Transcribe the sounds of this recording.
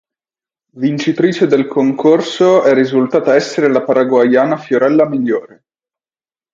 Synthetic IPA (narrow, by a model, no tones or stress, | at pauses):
vint͡ʃit̪ɾiːt͡ʃed̪elkʰoŋkʰorsoɛrːizult̪aːt̪aɛsːeɾelapaɾaɡwajaːnafjoɾɛlːamiʎːoːɾe